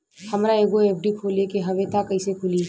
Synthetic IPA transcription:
hɐmɾaeːɡoeːp̚ʰɖikʰoːlekeɦɐʋet̪ʰakɐisekʰʊliː

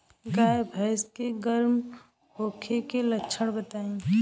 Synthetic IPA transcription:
ɡaːjbʱəɪskeɡəɾm | hoːkʰekeləːʃʰəɽ̃bət̪aːẽ

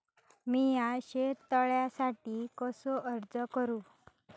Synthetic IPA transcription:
mijaɕet̪ːəɭjasaʈiːkɔsɔʔəɾd͡zəkəɾuː

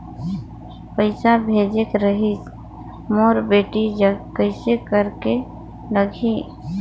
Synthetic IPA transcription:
pəɪsabʱeːd͡ʒekɾəɦit͡ʃ | moːɾbeːʈid͡ʒəkəɪsekəɾke | ləɡʱi

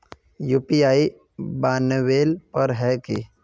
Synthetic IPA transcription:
juːpiaːi | baːnəweːlpɐɾɦɛki

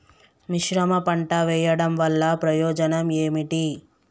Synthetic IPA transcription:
miʃɾɐmɐpɐɳʈɐʋɛːjɐɽɐmʋɐlːɐpɾɐjɔːd͡ʒɐnɐmeːmiʈi

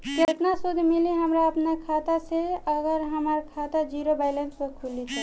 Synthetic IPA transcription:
kət̪nasud̪ʱmiliɦəmɾaəpnakʰat̪aseəɡəɾɦəmaɾkʰat̪ad͡ʒiɾobaɪlənspekʰulit̪a

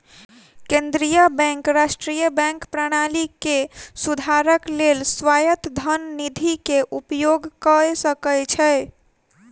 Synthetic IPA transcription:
kẽnd̪ɾijəbɛ̃ŋkɾasʈɾijəbɛ̃ŋkpɾaɽ̃alikesud̪ʱaɾəklelsʋajət̪d̪ʱənnid̪ʱikeʔupjoɡkəsəkəjt͡ʃʰɛ

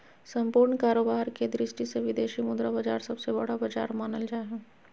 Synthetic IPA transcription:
sɐ̃mpuːɾɳkaːɾoːbaːɾked̪ɾɪʃʈiseʋɪd̪eːʃiːmʊ̃nd̪ɾabɐd͡ʒaːɾsɐbsebɐɽ̤abɐd͡ʒa̰ːɾmaːnəld͡ʒaːeɦɛː

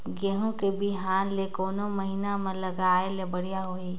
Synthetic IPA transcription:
ɡeɦõkebʱiɦaːnlekoːnoməɦinamẽləɡaːelebəɽijaɦoːi

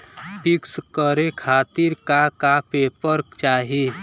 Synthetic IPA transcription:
pɪkskəɾekʰaːt̪iɾkakapeːpəɾkt͡ʃaːɦi

